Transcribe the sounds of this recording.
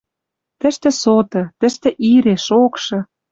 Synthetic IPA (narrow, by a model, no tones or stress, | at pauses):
t̪ə̆ʃt̪ĕsot̪ɤ̆t̪ə̆ʃt̪ĕʔiɾeʃokʃɤ̆